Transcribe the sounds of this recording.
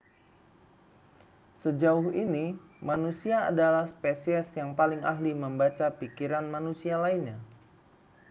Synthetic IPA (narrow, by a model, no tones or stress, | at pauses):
səd͡ʒaʊhini | manusiaa̰dalahspesiɛsjaŋpalɪŋa̰ɦliməmbat͡ʃapikiɾanmanusialainɲa